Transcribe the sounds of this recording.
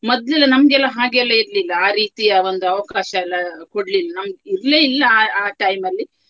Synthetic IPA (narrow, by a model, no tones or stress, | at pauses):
mɔd̪lɛlːɐnɐmɐɡɛlːɐɦaːɡeɛlːɐiɾlilːɐaːɾiːt̪ijɐond̪uɐʋɐkaːʃɐɛlːɐkoɽlilːɐnɐmɐɡeiɾleːilːɐːaːʈɐjmɐlːi